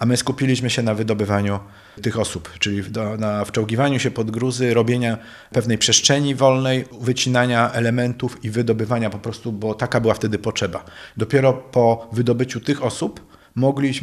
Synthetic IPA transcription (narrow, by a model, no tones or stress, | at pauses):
ʔamɘskupʲilʲiɕmɘɕɛnavɘd̪ɔbɘvaɲu | t̪ɘxɔsupt͡ʂɘlʲivd̪ɔnaft͡ʂɔwkʲivaɲuɕɛpɔd̪ɡɾuzɘɾɔbʲjeɲa | pɛvn̪ɛjpʂɛstʂɛɲivɔlnɛjvɘt͡ɕinaɲaʔɛlɛmɛnt̪ufivɘd̪ɔbɘvaɲapɔpɾɔst̪ubɔt̪akabɘwaft̪ɛd̪ɘpɔtʂɛbad̪ɔpʲjɛɾɔpɔvɘd̪ɔbɘt͡ɕut̪ɘxɔsup | mɔɡlʲiɕ